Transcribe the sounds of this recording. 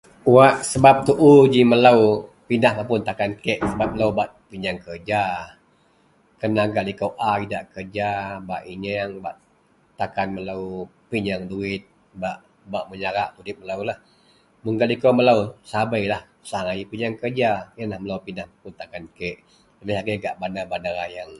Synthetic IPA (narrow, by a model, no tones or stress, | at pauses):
waʔsəbap̚t̪uʔud͡ʒiməlawpinahmapʊnt̪akankɛʔsəbap̚məlawbaʔ | piɲaŋkərd͡ʒa | kənaɡalikowʔaidaʔkərd͡ʒaba̰ʔiɲaŋba̰ʔ | t̪akanməlaw | piɲaŋduɪt̪̚ | baʔ | baʔməɲaɾaʔt̪udɪp̚məlawlah | məŋɡalikowməlawsabajlah | saaŋajipiɲaŋkərd͡ʒajənlahməlawpinahmapʊnt̪akankɛʔ | ləbɪhlaɡaɡaʔbanabanaɾajaŋ